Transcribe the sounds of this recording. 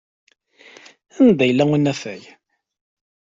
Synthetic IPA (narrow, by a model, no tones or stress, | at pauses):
ænd̪æjəlːæunːæfæj